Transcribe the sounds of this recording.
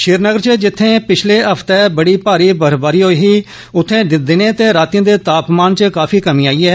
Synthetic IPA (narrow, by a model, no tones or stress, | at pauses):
ʃɪːɾnəɡəɾt͡ʃəd͡ʒɪt̪ʰːẽːpɪt͡ʃʰleːəpʰt̪ɛːbəɽiːpaːɾiːbəɾbaːɾiːɦoːiːɦiː | ʊt̪ʰːẽːd̪ɪnẽːt̪eːɾaːt̪ij̃ːd̪eːt̪aːpmaːnt͡ʃəkaːpʰiːkəmiːaːiːɛː